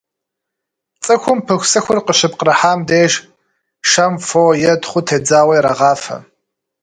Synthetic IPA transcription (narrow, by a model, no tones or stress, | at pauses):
t͡sʼɨxʷʊmpʰɨxʷsɨxʷʊrqəɕɪpqəɾɐħaːmdeːʒ | ʃɐmfoːjɛdχʷʊtʰeːd͡zaːwɐjɾɐʁɑːfɐ̰